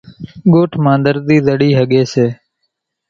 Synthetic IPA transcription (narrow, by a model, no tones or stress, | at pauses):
ɡoːʈʰmãːnd̪əɾd̪iːd̪əɽiːɦəɠeːseː